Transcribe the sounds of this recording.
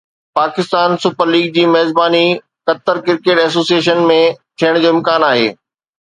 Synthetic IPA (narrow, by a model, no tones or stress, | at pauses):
paːkɪst̪aːnsʊpəɾliːɡ̚d͡ʑiːmɐɦɪzbaːni | kɐt̪əɾkɪɾkeːʈɛːs̬oːsijeːʃənmẽt̪ʰijəɽ̃d͡ʑoːɪ̃mkaːnaːɦḛː